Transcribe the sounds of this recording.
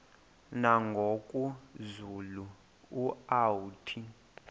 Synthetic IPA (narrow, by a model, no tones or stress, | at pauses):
naŋɡʱokʼuzulu | uawutʰi